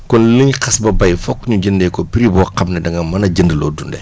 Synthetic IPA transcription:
kɔnləɲkɐsbɐbɐjfɔkːɲuɟəndɛkɔpiɾibɔːqɐmnɛdɐŋɡɐmɐnɐɟəndəlɔːdundɛ

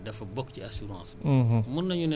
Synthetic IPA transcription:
dɛfɐbɔkciasuɾɑ̰̃ːs̩ɦmunːɐɲunɐ

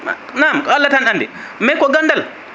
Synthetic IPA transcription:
naːmkalːatanʔandɛ | mɛkɔɡandal

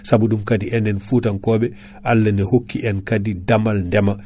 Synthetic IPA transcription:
sabuɗumkadiɛndɛnfutankɔːɓɛ | ʔalːanɛhokːiʔɛnkadidamalndɛma

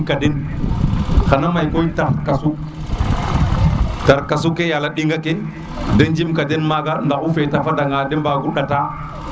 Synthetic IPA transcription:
kadin | xanamajkojtaɾkasu | taɾkas̬ukejalaɗiŋɡake | dend͡ʒimkadinmaɡandaʔufetafadaŋɡaːdɛmbaɡuɗata

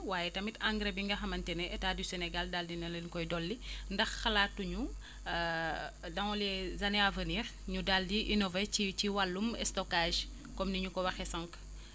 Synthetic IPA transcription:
waːjɛtɐmitaŋɡɾebiŋɡɐxɐmɐntɛnɛʔɛtaːdysɛnɛɡaldaldinɐlenkɔjdɔlːindɐxːɐlaːtːuɲu | dɐŋɔlɛzɐnɛavəniːr | ɲudaldiʔinɔvet͡ʃiciwalːumɛ̰stɔkaːʒ | kɔmniɲukɔwɐxɛsɐŋk

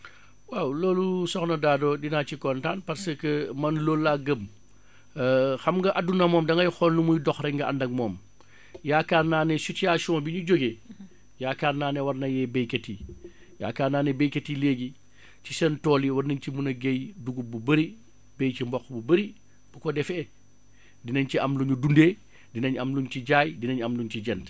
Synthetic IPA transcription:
wawloːlusɔxnɐdaːdoːdinacikɔntaːnpɐɾsɐkəmɐnloːlːaːɡəm | xɐmɡɐʔɐdunɐmɔːmdɐŋɡɐjxɔnlumujdɔxɾɛŋɡɐɐ̰ndɐŋ̚mɔːm | jaːkaːrnaːnɛsutijaːʃɔ̃ːbiɲuɟoɡe | jaːkaːrnaːnɛwɐrnɐjɛbɛjkɐti | ja̰ːkaːɾnaːnebejkɐtileːɡi | cisɛntɔːliwɐɾnɐɲcimunɐɡejduɡububɐɾi | bejcimbɔxbubɐɾi | b̥ukɔdɛfɛ | dinɐɲciɐmluɲudundeː | dinɐɲɐmluɲciɟaːjdinɐɲɐmluɲciɟɛnt

